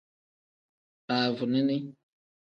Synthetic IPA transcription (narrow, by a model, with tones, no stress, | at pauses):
paː˨vʊ˨nɪ˦nɪ˦